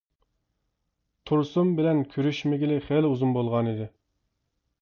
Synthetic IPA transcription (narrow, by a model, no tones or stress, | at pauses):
t̪ʰuɾsumbɪlɛnkʲʰøɾyʃmɪɡʲilɪχeluzunbolˠʁɑnid̪ɪ